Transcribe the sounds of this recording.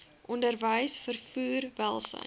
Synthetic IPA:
ʔɔndərvəjsfərfuːrvælˠsə̰

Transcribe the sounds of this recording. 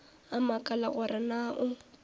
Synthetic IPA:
amakʼalaɣʊɾɪnaʔʊ

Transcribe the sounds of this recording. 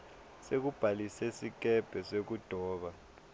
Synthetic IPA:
sek̬ub̥ʱalisesik̬ɛb̥ʱɛsek̬ud̥ʱɔːɓa

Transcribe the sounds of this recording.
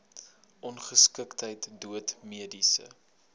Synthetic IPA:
ʔɔnχəskəktəjtduətmiədisə̰

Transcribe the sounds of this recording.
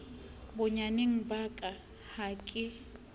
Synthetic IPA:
bʊɲanɪŋ̩bakʼa | hakʼɪ

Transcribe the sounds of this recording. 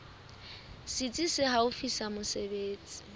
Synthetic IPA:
sit͡sʼisɪhaʊfisamʊsebeːt͡sʼi̥

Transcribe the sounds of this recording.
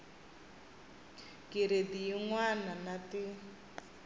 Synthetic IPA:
kiɾediiŋwananati

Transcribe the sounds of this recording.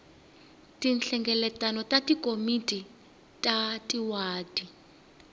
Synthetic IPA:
tinɬɛŋɡɛlɛtʼanɔtʼatikomitʼi | tʼatʼiwaːdʼi

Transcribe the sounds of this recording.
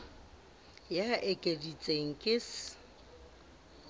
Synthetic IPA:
jaʔekʼedit͡sʼeŋ̩kʼɪs

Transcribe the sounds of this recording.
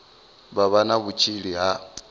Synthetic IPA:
βaβanaβut͡ʃʰiɺiɦa

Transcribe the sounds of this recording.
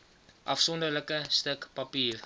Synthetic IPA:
ʔɐfsɔndərləkəstəkpɐpiːr

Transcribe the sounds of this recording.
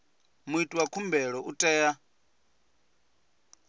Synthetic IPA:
muitʼuwakʰumbɛɺɔʔutʼɛːja

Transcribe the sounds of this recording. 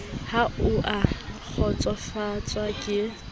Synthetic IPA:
haʊʔak͡xʰɔt͡sʼɔfat͡sʼwakʼɪ

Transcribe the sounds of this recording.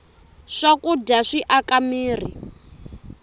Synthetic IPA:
ʂakudaʂiʔakamiːr̤ḭ

